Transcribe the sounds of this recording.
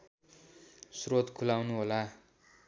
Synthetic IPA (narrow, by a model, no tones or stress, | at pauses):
srot̪kʰulawnuɦola